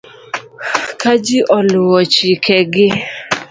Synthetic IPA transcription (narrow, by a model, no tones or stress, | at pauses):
kad͡ʒiʔɔlʊwɔt͡ʃikɛɡɪ